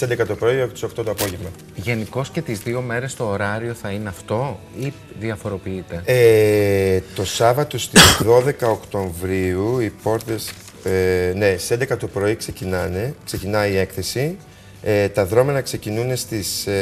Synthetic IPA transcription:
send̪ekɐt̪o̞pɾo̞iɐpot̪iso̞kt̪o̞t̪oɐpo̞ʝevmɐ | ʝe̞niko̞sce̞t̪izðio̞me̞ɾe̞st̪o̞ːɾɐɾio̞θɐineɐft̪o̞ | i | ðiɐfo̞ɾo̞piit̪e̞e | t̪o̞sɐvɐt̪o̞st̪izðo̞ðe̞kɐokt̪o̞ɱvɾiuipo̞ɾt̪e̞s | ne̞send̪ekɐt̪o̞pɾo̞ikse̞cinɐne̞kse̞cinɐie̞kθe̞si | et̪ɐðɾo̞menɐkse̞cinune̞st̪is

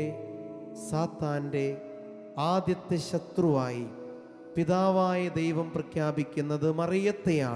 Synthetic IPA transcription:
e | saːt̪ːaːnde̞ | aːd̪jɐt̪ːjɐɕɐt̪ruʋaːji | piðaːʋaːjɐd̪ejʋɐmprɐkʰjaːbikʲːunːɐðɨmɐrijɐt̪ːeja̰ː

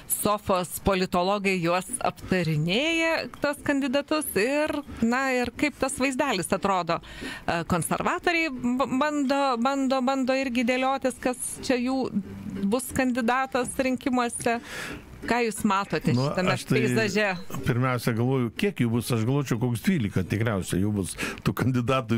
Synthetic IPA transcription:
soːfoːspoːlʲɪt̪oːlˠoːɡɐɪjuɔsɐ̰pt̪ɐɾʲɪnʲeːjɛt̪uskɐnʲd̪ʲɪd̪ɐt̪ʊsɪrnɐɪrkɐɪpt̪ɐsʋɐɪzʲd̪ʲæːlʲɪsɐt̪ɾoːd̪oːkoːnʲsʲɛrʋɑːt̪oːɾʲɛɪbɐnd̪oːbɐnd̪oːbɐnd̪oːɪɾʲɡʲɪd̪ʲeːlʲoːt̪ʲɪskɐst͡ʃʲɛjuːbʊskɐnʲd̪ʲɪd̪ɑːt̪ɐsɾʲɪŋʲkʲɪmuɔsʲɛ | kɑːjuːsmɑːt̪oːt̪ʲɛnt͡ʃ̪ʊtɐmʲɛʃt̪ɐɛɪzɐʒʲɛpʲɪɾʲmʲɛʊsʲɛɡɐlˠʋoːjʊkʲiɛkjuːbʊsɐʃɡɐlˠʋoːt͡ʃʲɛʊkoːksd̪ʲʋʲiːlʲɪkɐt̪ʲɪkɾʲɛʊsʲɛjɛʊbʊst̪uːkɐnʲd̪ʲɪd̪ɑːt̪ʊ

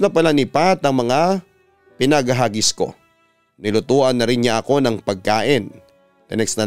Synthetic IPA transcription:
nɐpɐlanɪpat̪ɐŋmɐŋa | pɪnɐɡɐɦaɡɪsko̞̰ | nɪlʊt̪uːʔɐnːɐɾɪnɲaʔɐko̞nɐŋpɐɡ̚kaːʔɪn | t̪ɪnɛksnɐ

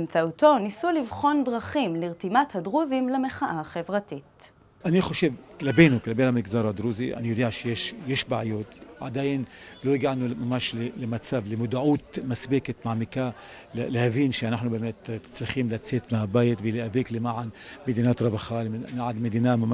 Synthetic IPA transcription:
emt͡saʔut̪o̞nisulivχo̞ndʁaχimliʁt̪imat̪had̪ʁuzimlemeχaʔaχevʁat̪it̪ | ʔanixoʃevklabeːnuklabeːnamɪɡzɑːɾˤad̪ɾuːziʔa̰nijod̪iʕʃjeʃjeʃbaʕjoːt̪ʕa̰d̪ajɪnlojɪɡaʕnumamaʃlelemat͡saːblɪmʊd̪ʕuːt̪masbeːkat̪maʕmɪka | llehaviːnʃeanaħnubemeːt̪t̪ɪ̥t͡slɪxiːmlat͡sːeːt̪mabaːjɪt̪vɪliʔabiːklɪmaʕanmed̪iːnaːt̪ɾˤɑbaxalnaʕad̪med̪iːnama

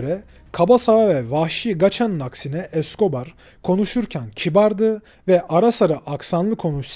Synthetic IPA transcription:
ɾɛ | kʰabasaavɛvahʃiɡat͡ʃʰanːaksinɛʔɛsko̞baɾ | kʰo̞nuʃuɾcʰæncʰibaɾd̪ɯ | vɛʔaɾasaɾɯʔaksanlˠɯkʰo̞nut͡ʃs

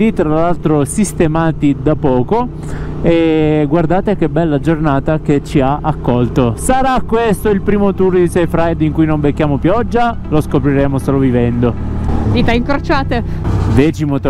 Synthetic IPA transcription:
d̪it̪ɾalːalt̪ɾosist̪emaːt̪id̪apɔːko | eɡward̪aːt̪ek̟ebːɛlːad͡ʒornaːt̪aket͡ʃːiaʔakːɔlt̪osaɾakːwest̪oilpɾiːmot̪urd̪isɛjfɾajd̪iŋkujnombekːjaːmopjɔd͡ʒːa | loskopɾiɾeːmosoːlovivɛnd̪od̪iːt̪aiŋkɾot͡ʃaːt̪ed̪ɛːt͡ʃimot̪

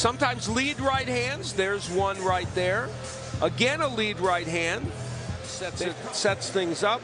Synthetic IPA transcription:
sʌ̃mtʰãɪ̃mzlid̚ɹaɪt̚hæ̃ndzðə˞zwʌ̃nɹaɪt̪̚ðə˞ | ʔəɡɛ̃nəlidɹaɪt̚ɦæ̃nd | sɛ | sɛtsθɪ̃ŋzʌp̚

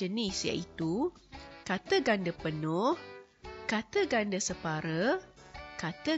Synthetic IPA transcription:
ənisja̰ʔit̪u | kat̪əɡandəpənɔh | kat̪əɡandəsəpaɾə | kat̪ə

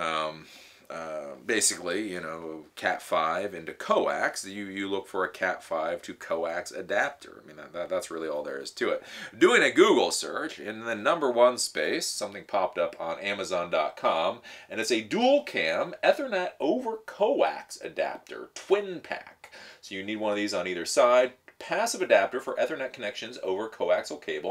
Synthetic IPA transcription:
ʌ̃m | ʌbeɪsɨklijɨñoʊkʰæ̰tfaɪvɪ̃ntʉkʰoʊæ̰ksɨjɨjɨlʊkfə˞ɨkʰætfaɪv̥tʰɨkʰoʊæksɨ̰dæp̚tʰə̰˞ʔa̰ɪmĩnðæt̪̚ðæt̪̚ðætsɹɪlˠiɔlˠðə̰˞ɪ̰z̥tʰɨɪt̚d̥ʉɪ̃ŋɨɡuɡl̩ˠsɜ̰˞t͡ʃɪ̃nðɨnʌ̃mbə˞wʌ̃nspeɪsːʌ̃mθɪ̃ŋpʰɑp̚tʌpn̩æmɨzɑ̃ndɑ̰t̚kʰɑ̃mʔɨ̃nɨtsɨdul̩ˠkʰæ̃mɛθə˞nɛɾoʊvə˞kʰoʊæ̰ksɨ̰dæ̰p̚tʰə̰˞tʰw̥ɪ̃npʰæ̰ksoʊjɨnid̚wʌ̃nʌvðizn̩iðə˞saɪd̚pʰæsʌvɨdæp̚tə˞fə˞ʔɛθə˞nɛt̚kʰənɛkʃɨ̃nzo̰ʊvə˞kʰoʊæksl̩ˠkʰeɪbl̩ˠ

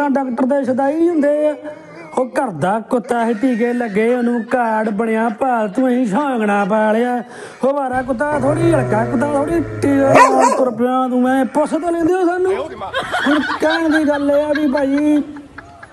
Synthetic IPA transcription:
ãːɖaːk̚ʈəɾd̪eːʃət̪aːiːɦʊ̃nd̪eː | oːkəɾd̪aːkʊt̪ːaːɦɪt̪iːk̬eːləɡːeːonũːkaːɽbəɽejãːpaːlt̪ʊ̃ːĩːʃʰãːəɡɽaːpɛːleaː | hoːʋaːɾaːkʊt̪aːt̪ʰoːɽiːəkaːk̬ʊt̪̬ːaːt̪ʰoːɽiːʈːiːoːpʊɾpjãːt̪ũːmɛ̃ːpʊsət̪ːlẽːnd̪eoːsaːnũːpɪɾkəənd̪iːɡəleːaːbiːpaːiː

